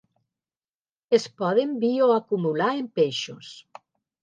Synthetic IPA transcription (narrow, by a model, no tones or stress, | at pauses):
espɔðembioakumulaempeʃos